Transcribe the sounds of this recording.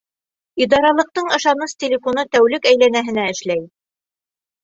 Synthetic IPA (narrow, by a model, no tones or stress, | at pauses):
id̪ɑɾɑlˠɤ̆q̚t̪ɤɴɤ̆ʃɑnɤstʲɪlʲɪfonɤt̪æwlɘkæjlænæɦɘ̆næɘ̆ʃlæj